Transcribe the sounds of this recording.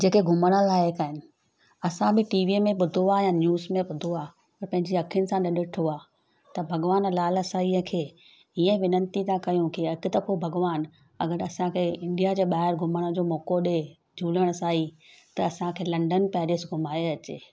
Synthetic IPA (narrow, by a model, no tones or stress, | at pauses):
d͡ʑeːkeɡʱʊməɽ̃əlaːekaːɦɪnɪ̆ | ɐsãbɪʈiːʋimẽɓʊd̪ʱoaːjanjuːzmẽɓʊd̪ʱoaː | pɐɾpɐ̃ɦɪ̃ɲd͡ʑiɐkʰijʊnɪ̆sãɗɐɗʊʈʰoaː | t̪ɐbʱɐɡʋaːnlaːlɐsaːiəkʰeː | iːə̃ʋɪnə̃nt̪it̪ãkɐjũkʰiɪkd̪ɐfobʱɐɡʋaːn | ɐ̰ɡəɾɐsãkʰeɪ̃ɳɖijad͡ʑeːɓaːɦɪɾɡʱʊməɽ̃ə̃d͡ʑoːmɔːkoɗe | d͡ʑʱuːləɽ̃saːɦit̪ɐːsãkʰeːlɐ̃ɳɖənpɛːɾeːsɡʱʊmaːeɐt͡ɕeː